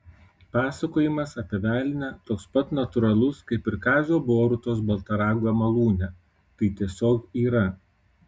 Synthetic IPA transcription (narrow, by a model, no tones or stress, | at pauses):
pɑːsɐkoːjɪmɐsɐpʲɛʋʲæːlʲɪnʲɛt̪oːkspɐt̪nɐt̪ʊɾɐlˠʊskɐɪpɪɾkɑːzʲoːboːɾʊt̪oːs̬bɐlˠt̪ɐɾɑːɡoːɛmɐlˠuːnʲɛ | t̪ɐɪt̪ʲiɛsʲoːkiːɾɐ